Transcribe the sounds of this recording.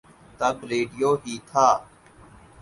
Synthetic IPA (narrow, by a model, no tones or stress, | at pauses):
t̪əbɾeːɖɪjoːɦiːt̪ʰaː